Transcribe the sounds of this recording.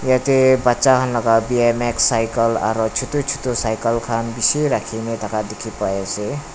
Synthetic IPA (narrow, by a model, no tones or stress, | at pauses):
jʌt̪ebatːsaɦʌnlʌkabiemeksajkʌla̰ɾɔt͡ʃʰut̪ut͡ʃʰu̥t̪osajkʌlkʰanbiseɾakʰinet̪ʌkad̪ekʰipʌese